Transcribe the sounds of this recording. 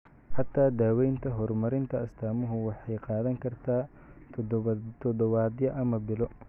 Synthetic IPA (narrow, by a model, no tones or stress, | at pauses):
ħɑt̪ʰːaːd̪aːwɛjnt̪ʰɐɦɔrmɐɾɪnt̪ʰɐɐst̪ʰaːmɔɦʊwɑħɑjqɑːðɐŋkʰɐrt̪ʰaː | t̪ʰɔd̪ɔβaːd̪jɐʔɐmɐbɪlɔ